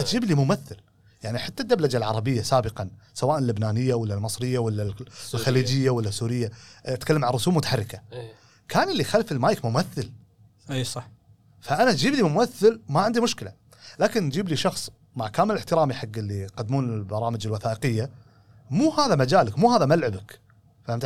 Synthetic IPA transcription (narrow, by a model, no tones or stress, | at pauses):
ʔat̪d͡ʒiːblimʊmaθːɪl | jaʕniħat̪ːad̪ːablad͡ʒalʕɑɾˤɑbɪjːasaːbɪqɑnsawaːʔnɪlːɪbnaːnɪjːawɪlːalmɨsˤɾɪjːawɪlːalxaliːd͡ʒɪjːawɪlːasuːɾɪjːaat̪kalːamʕanˤːʊsuːbmʊt̪ḁħɑrˤːɪka | kʰaːnɪlːixalfɪlmaːjɪkmʊmaθːɪl | sˤɑħ | faʔanat̪d͡ʒiːblimʊmaθːɪlmaʕɪnd̪imʊʃkɪla | laːkɪnd͡ʒiːbliʃɑxsˤ | maʕkaːmɪlɪħt̪ɪɾaːmiħaɡːɪlːiqɑd̪ːmuːnɪlbɑɾˤɑːməd͡ʒɪlwaθaːʔɪqɪjːa | muːhaːðamad͡ʒaːlɪkmuːhaːðamalʕɪbɪk | faamt̪